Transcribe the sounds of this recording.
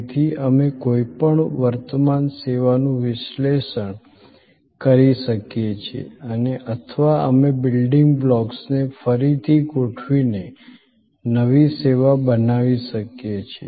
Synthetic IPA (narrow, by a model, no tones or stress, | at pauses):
t̪ʰiəmekoipəɳʋəɾt̪əmanseʋanũʋɪʃleʃəɳ | kəɾiʃəkjet͡ʃʰḛəneʔət̪ʰəʋaə̰mebɪlɖɪŋɡblɔksnefəɾit̪ʰikoʈʰʋine | nəʋiseʋabənaʋiʃəkjet͡ʃʰe